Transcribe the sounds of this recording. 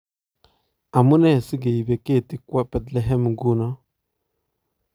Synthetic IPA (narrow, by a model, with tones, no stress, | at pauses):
a˨mu˦nɛ˦˨si˦ɡe˨ji˨be˨ke˦˨ti˨ka˦bɛ˨tlɛ˨ɦɛ˦m˨ɡu˦nɔ˦